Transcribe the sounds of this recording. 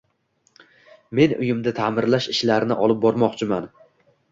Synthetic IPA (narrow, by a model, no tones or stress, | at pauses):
me̞nʊ̰jɪmd̪at̪ʰamɪɾlaʃɪʃlaɾɪnɪʔɒlˠɪp̚bɒɾmɒqt͡ʃʰɪman